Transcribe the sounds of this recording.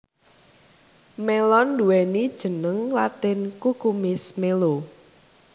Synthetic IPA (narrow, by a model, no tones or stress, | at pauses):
melɔnduwɛnid̥ʒ̥ə̤nəŋlat̪ɪnkukumɪsmelo